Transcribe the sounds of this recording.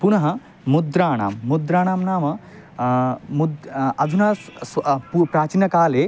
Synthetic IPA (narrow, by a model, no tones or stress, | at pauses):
punɐɦɐ | mud̪ɾaːɳa̰ːmːud̪ɾaːɳaːmnaːmɐ | mud̪ɐd̪ʱunaːspupɾaːt͡ʃinɐkaːleː